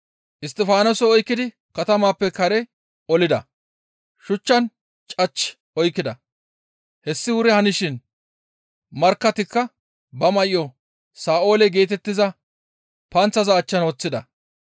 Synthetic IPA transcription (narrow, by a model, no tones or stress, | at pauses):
ʔɪs̬t̪ʼɪfaːnɔsɔɔjkːɪd̪ɪ | kɐt̪ɐmaːpːɛkɐɾɛ | ɔlɪd̪ɐ̰ | ʃʊt͡ʃːɐn | t͡ʃʼɐt͡ʃː | ɔjkːɪd̪ɐ | hɛsːɪwʊɾɛhɐnɪʃɪn | mɐɾkːɐt̪ɪkːɐ | bɐmɐʔɪjɔ | saːʔo̞ːlɛɡe̞ːt̪̬ɛt̪ːɪzɐ | pɐnt͡sːɐzɐːt͡ʃːɐnɔt͡sːɪd̪ɐ